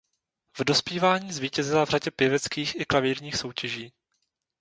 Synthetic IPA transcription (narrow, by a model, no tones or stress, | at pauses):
vdo̞spiːvaːɲiːzviːcɛzɪlavraɟɛpjɛvɛt͡skiːxɪklaviːɾɲiːxso̞wcɛʒiː